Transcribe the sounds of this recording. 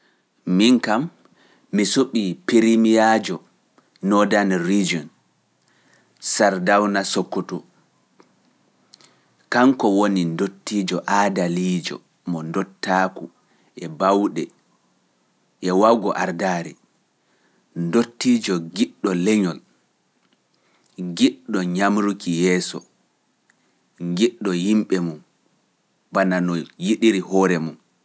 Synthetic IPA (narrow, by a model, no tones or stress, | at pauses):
miŋkamː | isuɓipiɾimijad͡ʒɔ | nɔdanrid͡ʒiɔn | saɾdawnasɔkːɔtɔ | kaŋkɔwonindotːiːd͡ʒɔʔadaliːd͡ʒɔ̰ | mɔndɔtːaku | ɛbawɗɛ | ʔɛwawɡɔʔaɾdaːɾɛ | ndotːiːd͡ʒɔɡiɗːɔlɛɲɔl | ŋɡiɗɔɲamɾukijɛːsɔ̰ | ŋɡiɗːɔhimɓɛmum | bananɔjiɗiɾihɔɾɛmum